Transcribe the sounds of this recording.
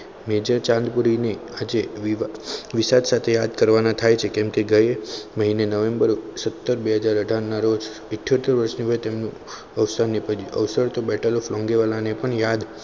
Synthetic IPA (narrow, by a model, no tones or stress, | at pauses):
med͡ʒat͡ʃãnd̪puɾinead͡ʒeʋʋisad̪sat̪ʰejad̪kəɾʋanat̪ʰajt͡ʃʰekɛ̃mkeɡəjeməɦinenəʋembəɾsət̪ːəɾbeɦəd͡ʒaɾəɖʱanːaɾod͡ʒ | ɪʈʰjot̪eɾʋəɾʃniʋəjt̪emnũ | əʋsənipəə̰ʋsəɭt̪obɛʈʰəloflɔ̃ŋɡeʋalanepəɳjad̪